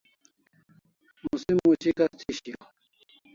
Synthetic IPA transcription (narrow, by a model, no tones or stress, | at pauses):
musimːut͡ɕikat͡sʰiɕio